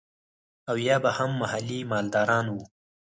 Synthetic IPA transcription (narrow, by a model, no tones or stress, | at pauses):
awjɑbahamːahalːimɑld̪ɑɾɑːnwu